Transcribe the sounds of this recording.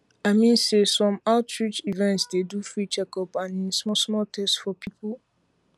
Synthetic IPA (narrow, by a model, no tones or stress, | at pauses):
aɪmĩnsesɔ̃maʊtɹit͡ʃivɛ̃ntsdedufɹit͡ʃɛkɔpãnĩsmɔsmɔltʰɛstfɔpʰipʰu